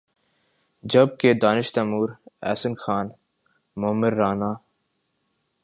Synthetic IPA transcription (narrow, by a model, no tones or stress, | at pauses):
d͡ʒɐb̚ked̪aːnɪʃt̪ɐmuːɾɛ̰ːsənxaːn | mʊmɪɾːaːnaː